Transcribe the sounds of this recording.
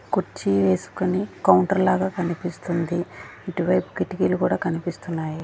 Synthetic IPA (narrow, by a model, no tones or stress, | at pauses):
kuɾt͡ʃːiʋe̞ːsu̥konikɐwɳʈɐɾlaːɡaːkɐnipist̪und̪iiʈiʋɐjpu̥kiʈːikelukuːɽaːkɐnipist̪unːaːji